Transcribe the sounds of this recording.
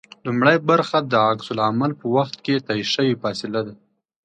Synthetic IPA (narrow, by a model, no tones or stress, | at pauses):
lumɽajbaɾxad̪əaksʊlamalpəwaxt̪̚ket̪ɑiʃəwifɑsɪlad̪a